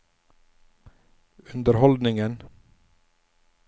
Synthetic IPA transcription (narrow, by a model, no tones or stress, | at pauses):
ʉnd̪əɾhɔld̪nɪŋən